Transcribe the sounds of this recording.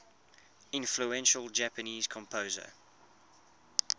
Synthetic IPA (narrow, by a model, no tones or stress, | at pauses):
ɪ̃nfluɛ̃nʃəlˠd͡ʒæpəniːz̥kʰɔ̃mpʰoːzə̰